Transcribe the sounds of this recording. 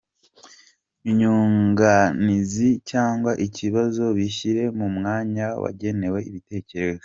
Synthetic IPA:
iɲuːŋɡanizicaːŋɡwaʔiciβazo̞βiçiɾe̞mumŋaːɲawa̰ɟe̞ne̞we̞iβite̞ːce̞ɾe̞ze

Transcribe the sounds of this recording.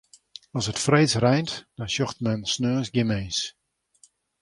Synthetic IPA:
ɔsətfreːt͡srɛjntd̥ɔnʃɔxtmɛnsnøːəsɡjɪmejns

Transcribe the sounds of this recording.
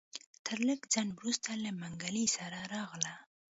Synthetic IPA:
t̪ʰəɾləɡd͡zɑnwɾust̪alamaŋɡalisaɾaɾɑɣla

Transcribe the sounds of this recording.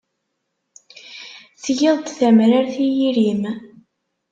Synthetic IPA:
θjɪðˤt̪θæmɾaɾθijiɾim

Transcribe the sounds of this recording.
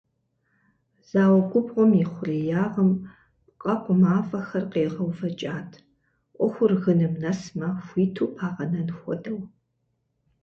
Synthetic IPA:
z̥aːwɐkʷʼʊbʁʷɔmɪχʷʊrijaːʁɐm | pqʼɐqʷʼɔmaːfʼɐxɐrqeːʁɐwfɐt͡ʃʼaːtʰ | ʔʷɔxʷʊrɣɨnɨmnɐsmaxʷiːtʰuːpʰaːʁɐnɐnxʷɔ̰dɐw

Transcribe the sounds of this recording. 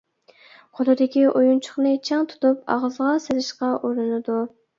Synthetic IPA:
qʰolˠɨd̪ɪkʲiʔojunt͡ʃʰʊ̥χnɨt͡ʃʰɑŋt̪ʰu̥t̪up̚ɑ̰ʁəzʁɑselɪʃqɑʔuɾɨnɨd̪u

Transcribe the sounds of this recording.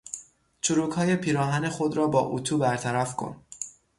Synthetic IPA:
t͡ʃʰuɾuːkhɒːje̞pʰiːɾɒːɦæne̞xod̪ɾɒːbɒːʔut̪ʰuːbæɾt̪ʰæɾæfkʰo̞̰n

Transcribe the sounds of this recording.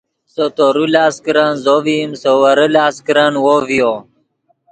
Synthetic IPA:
sot̪oɾulaːskɾanzovimsowəɾəlaːskɾanwovijo

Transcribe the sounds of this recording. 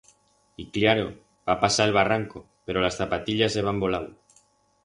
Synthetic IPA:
iklaɾo̰ | b̥apasaelβaraŋko̞ | pe̞ɾo̞lasθapat̪iʎaseβ̞ambo̞law

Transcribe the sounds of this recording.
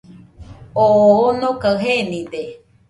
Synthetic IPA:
oːnõkaɨɦenĩd̪e

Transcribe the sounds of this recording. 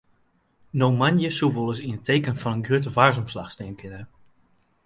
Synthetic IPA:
nowmanjəsuvolˠəs̬inətejkənfɑnənɡrøtəvaːɹzɔmslɑχsteːnkɪnər

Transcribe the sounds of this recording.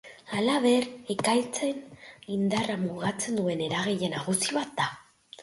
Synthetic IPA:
alaβe̞ɾekajt͡se̞nind̪aramuɣat͡se̞nd̪ue̞ne̞ɾaɣeʎe̞naɣ̞usiβat̪̚d̪a

